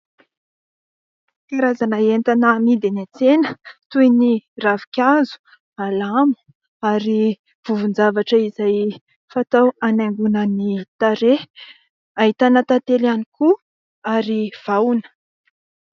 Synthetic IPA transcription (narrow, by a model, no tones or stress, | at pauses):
kaɾazanaent̪anəmid̪enat͡senət̪ujniravikʲazu̥ | alamu̥ | aɾi | v̥uvund͡zavaʈ͡ʂəizaj | fat̪awanaŋɡunənit̪aɾe | aɦit̪anət̪at̪elaniku | aɾiv̥awnə̥